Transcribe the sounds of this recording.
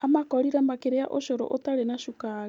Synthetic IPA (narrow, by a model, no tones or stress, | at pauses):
amakɔɾiɾambakeɾejaʔoʃoɾo̰ʔotaɾenaʃuka